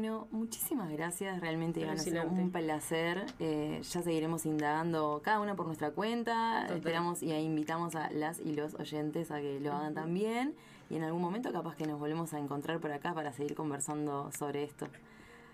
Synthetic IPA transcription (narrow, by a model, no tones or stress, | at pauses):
benomut͡ʃi̥simazɣɾasjasrealmẽnt̪eanoseumplaseɾeʒ̥ase̞ɣiɾe̞mo̞sind̪aɣand̪o̞kaðaunap̬oɾnwe̞st̪ɾakwe̞nt̪aḛspeɾamo̞siaimbit̪amo̞sa̰lasḭlo̞so̰ʒe̞nt̪e̞sake̞lo̞aɣant̪ambjen | ienalɣunmoment̪o̞kapaske̞no̞zβo̞lβemosaeŋko̞nt̪ɾaɾpoɾakapaɾase̞ɣiɾko̞mbeɾsand̪o̞so̞βɾe̞est̪o̞